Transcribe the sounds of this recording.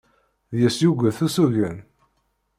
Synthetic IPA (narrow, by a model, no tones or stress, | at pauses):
ðjəsjuɡʷəθusuʝən